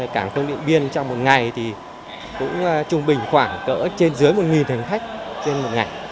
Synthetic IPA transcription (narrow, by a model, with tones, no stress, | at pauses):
kaː˧˩ŋfə˧wŋ͡mɗḭ˧˨ənɓi˧ənt͡ɕɔ˧wŋ͡mmo˨˩t̚ŋa˨˩jt̪ʰi˨˩ | kʊ̰˧˥ŋ͡mt͡ɕʊ˧ŋ͡mɓï˨˩ŋ̟xwaː˧˩ŋkə̰ː˧˥t͡ɕe˧nzɨ˨˦əjmo˨˩t̚ŋi˨˩nhï˨˩ŋ̟xa˦˥jk̟̚t͡ɕe˧nmo˨˩t̚ŋa˨˩j